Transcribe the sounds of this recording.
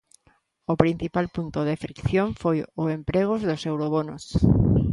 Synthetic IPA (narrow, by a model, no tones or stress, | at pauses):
ʊpɾin̟θipalpunt̪oðefɾikθjoɱfojʊempɾeɣ̞ʊzðosewɾoβonʊs